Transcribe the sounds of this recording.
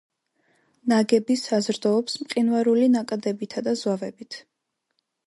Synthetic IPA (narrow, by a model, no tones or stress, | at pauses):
naɡɛbisazɾd̪ɔːpsmqʼinvaɾulinakʼad̪ɛbit̪ʰad̪azwavɛbit̪ʰ